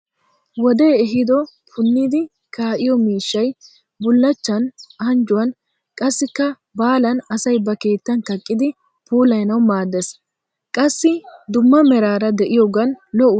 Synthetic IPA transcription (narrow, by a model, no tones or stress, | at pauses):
wɔd̪e̞ːɛɦɪd̪ɔ | pʰʊnːɪd̪ɪ | kaːʔɪjɔmiːʃːɐj | bʊlːɐt͡ʃːɐnɐnd͡ʒʊwɐn | kʼɐsːɪkːɐ | baːlɐnɐsɐjbɐke̞ːt̪ːɐnkɐkʼːɪd̪ɪ | puːlɐjnɐwmaːd̪ːes | kʼɐsːɪd̪ʊmːɐmɛɾaːɾɐd̪ɛʔɪjɔːɡɐnlɔʔʊ